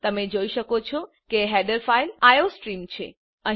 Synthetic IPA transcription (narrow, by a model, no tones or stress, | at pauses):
t̪əmed͡ʒoiʃəkot͡ʃʰo | keɦɛɖəɾfailajosʈɾimt͡ʃʰḛ | əɦ